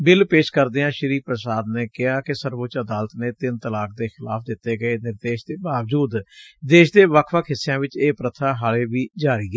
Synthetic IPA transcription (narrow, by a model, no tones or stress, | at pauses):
bɪlpeːʃkəɾd̪eːãːʃəɾiːpɾəsaːd̪neːkɪɦaːkɪsəɾʋʊt͡ʃəd̪aːlt̪nẽːt̪ɪnt̪əlaːk̚d̪eːxɪla̰ːpʰd̪ɪt̪ːeːɡəeːnɪɾd̪eːʃd̪eːbaːʋd͡ʒuːd̪d̪eːʃd̪eːʋəkʰʋəkʰɦɪsːɪjãːʋɪt͡ʃeːpɾət̪ʰaːɦaːleːʋiːd͡ʒaːɾiːɡeː